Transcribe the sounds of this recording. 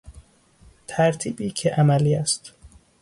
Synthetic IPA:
t̪ʰæɾt̪ʰiːbiːcʰeʔæmæliːæst̪

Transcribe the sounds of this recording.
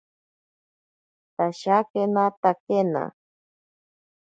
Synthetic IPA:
t̪aʃakenat̪akena̰

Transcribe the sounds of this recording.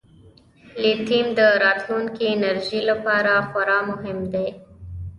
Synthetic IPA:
let̪imd̪əɾɑt̪luŋkinaɾʒilapɑɾaxwaɾɑmʊɦɪmd̪e

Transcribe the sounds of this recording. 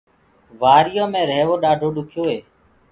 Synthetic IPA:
ʋaːɾɪjõːmẽːɾeːʋoːɗaːɖʱoːɗʊkʰjoːɦeː

